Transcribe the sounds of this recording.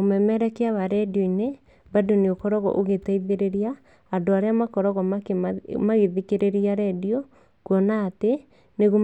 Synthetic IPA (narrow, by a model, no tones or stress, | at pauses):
omɛmɛɾɛkeaβaɾɛdioine | badoneokɔɾɔɣɔ̰ʔoɣetaiðeɾeɾiaː | ndoaɾeamakɔɾɔɣɔmakmaɣeðikeɾeɾiaɾɛdiɔ | kwɔnate | neɣo